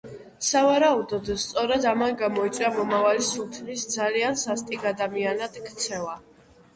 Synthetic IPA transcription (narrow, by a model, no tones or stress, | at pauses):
savaɾaud̪ɔd̪st̪sʼɔɾad̪amanɡamɔit͡ʃ̪ʼɾamɔmavalisult̪ʰmisd̪zaliansast̪ʼiɡad̪amianad̪̥kʼt̪sʰɛva